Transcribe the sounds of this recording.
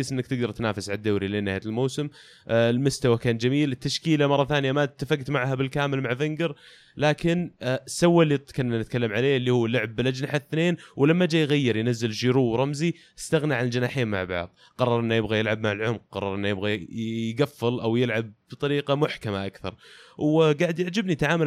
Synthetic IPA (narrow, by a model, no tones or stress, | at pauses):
sʔɪnːakt̪ɪɡd̪ɑɾˤt̪naːfɪsʕalad̪ːaːɾilɪnːahjalmoːsɪm | lmʊst̪awakaːnd͡ʒamiːlɪt̪ːaʃkiːlamɑrˤːɑθaːnɪjamat̪ːafaɡt̪maʕɦabɪlkaːmɪlmaʕvɪŋɡɪɾ | laːkɪnsːawːalːit̪kanːanɪt̪̚kalːamʕaleːlːiːhuːlːʊʕb̚ːɪlʔad͡ʒnaħaθneːnwlamːad͡ʒaːjɣajːɪɾˤjnazːɪlʃiɾuːwɾˤɑmzi | ʔɪst̪aɣnaʕaald͡ʒɪnaːħeːnma̰ʕbɑ̰ʕðˤ | qɑrˤːɑɾˤʔɪnːujɪbɣajɪlʕab̚maʕɪlʕʊmq̚qɑ̰rˤːɑɾˤʔɪnːjɪbɣajɡafːɪlʔawjɪlʕab̚b̥t̪ˤɑɾiːqɑmʊħkamaʔakθɑ̰ɾˤwɡaʕd̪jɪʕd͡ʒɪbnit̪ʕaːmal